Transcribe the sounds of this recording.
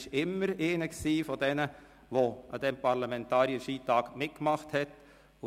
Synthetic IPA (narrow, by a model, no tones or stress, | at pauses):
ʃɪmːəɾeːnəksiːfɔdɛnə | ʋoʔɑ̰d̥ɛmpʰɑɾlɑmɛntɑːɾiəʃiːtɑːɡmɪt̚kmɑχthɛt | ʊ